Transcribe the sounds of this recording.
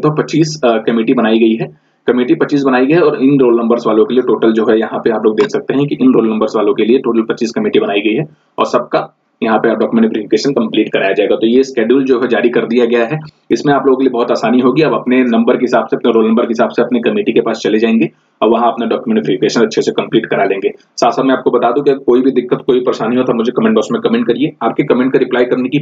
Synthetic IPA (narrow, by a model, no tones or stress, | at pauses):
t̪opɐtːt͡ʃiːskɐmiːʈibɐnaːiɡɐiɦɛː | kɐmeːʈipɐtːt͡ʃiːs̬bɐnaːiɡɐjɔːɾɪnɾoːlnɐ̃mbəɾzʋaːlõkelieʈoːʈəld͡ʒoːɦɛjɐɦãpeaːploːɡ̚d̪eːkʰsɐk̚t̪eɦɛ̃kiʔɪnɾoːlnɐ̃mbəɾzʋaːlõkelieʈoːʈəlpɐt͡ʃiːskɐmiːʈibɐnaːiɡɐiɦɛ | ɔ̰ːɾsɐb̚ka | jɐɦãpɐaːp̚ɖɔːkjumẽɳʈpɾɪfɪkeːʃənkɐ̃mpliːʈkɐɾaːjad͡ʒaːeːɡat̪oːjeskɛːɖjuːld͡ʒoːɦɛd͡ʒaːɾikɐɾd̪ijaɡɐjaɦɛ | ɪsmẽaːploːɡõkeliebɔɦːʊt̪aːsaːniɦoːɡiɐbɐpnenɐ̃mbəɾkeɦɪsaːbseɐpneɾoːlnɐmbəɾkeɦɪsaːbseɐpnikɐmiːʈikepaːst͡ʃɐled͡ʒaːẽːŋɡe | ɔːɾʋɐɦãɐpnaɖɔːkjumẽɳʈɪpɾɪfɪkeːʃənɐtːʃʰesekɐ̃mpliːʈkɐɾalẽːŋɡeː | saːt̪ʰsaːt̪mɛ̃aːp̚kobɐt̪aːd̪ũkiɐɡəɾkoːibʱid̪ɪkːət̪koːipɐɾeʃaːniɦot̪ʰamʊd͡ʒʱekɐmɛ̃ːɳʈbɔːsmẽkɐmɛ̃ɳʈ̚kɐɾieaːpkekɐmɛ̃ɳʈkaɾɪplaːjkɐɾneki